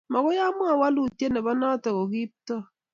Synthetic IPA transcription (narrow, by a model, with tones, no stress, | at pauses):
mɔ˨kʊ˦ja˦mʊ˦a˨wa˦lu˨tje˦ne˨bɔ˦nɔ˦tɔ˨ko˨ki˦p̚tɔ˦